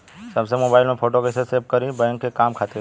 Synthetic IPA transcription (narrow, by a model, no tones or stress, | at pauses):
səbsemobaɪlmẽfʰoʈokesesep̚kəɾibɛ̃ŋkːekamkʰat̪e